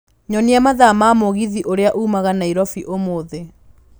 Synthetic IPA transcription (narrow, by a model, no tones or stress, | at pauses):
ɲɔniamaðamaːmoɣiðiʔoɾeaʔuːmaɣanaiɾɔfiʔomoːðe